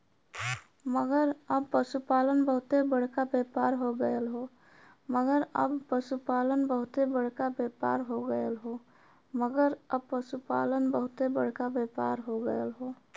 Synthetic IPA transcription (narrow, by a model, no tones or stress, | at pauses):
məɡəɾəbpəsupalənbəɦʊt̪ebəɽ̤kabepaɾɦoɡəəlɦo | məɡəɾə̰bpəsupalənbəɦʊt̪ebəɽ̤kabepa̰ɾɦoɡəəlɦo | məɡəɾəb̚pəsupa̰lənbəɦʊt̪ebəɽ̤kabepaɾɦoɡəəlɦo